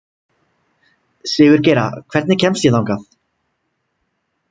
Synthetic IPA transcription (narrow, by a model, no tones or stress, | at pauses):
sɪːɣʏɾ̥ceːjɾa̰kʰvɛɾt̪nɪcʰɛmst̪jɛðawŋkaθ